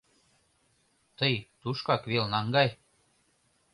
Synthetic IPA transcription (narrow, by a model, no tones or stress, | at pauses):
t̪əjt̪uʃkɑkβelnɑŋɡɑj